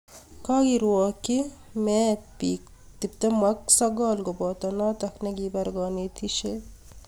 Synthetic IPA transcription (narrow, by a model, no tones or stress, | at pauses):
kaɡiɾuwɑːkimet̪̚piːk | t̪ipt̪ɐmɐksɐɡɑːlɡobɑːt̪ɐnaːt̪ɐknɐɡibɐɾɡɑːnet̪ʰiʃe